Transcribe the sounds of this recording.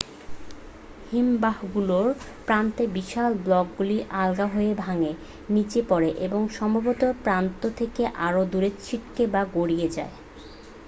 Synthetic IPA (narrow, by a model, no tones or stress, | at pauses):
himbahɡuloɾ | pɾant̪ebiʃalblɔk̚ɡuliʔalɡaɦoebʱaŋe | nit͡ɕepɔɾeʔeboŋʃɔmbʱabot̪oɾpɾant̪ot̪ʰekeʔaɾod̪uɾet͡ɕʰiʈkebaɡoɽied͡ʑa̰e